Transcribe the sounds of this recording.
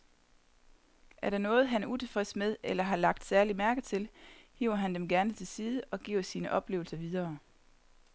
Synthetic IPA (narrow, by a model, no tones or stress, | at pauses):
ʔæɐɾɑnɔ̽ːð̞̩ˠɦænæɐʔut͡sʰe̝fʁɛsmeðˠelɐɦɑ̈lɑ̈ɡ̥̚d̥sæɐlimæɐɡ̥ð̩ˠt͡sʰe̝lhḭːʊ̰ɐɦænd̥emɡ̥æɐnət͡sʰe̝lsiːð̞ˠəʔɒ̽ɡ̥ḭːʊɐsiːnəʔɒ̽b̥le̝̰ːʊl̩sɐʋið̞ˠɐː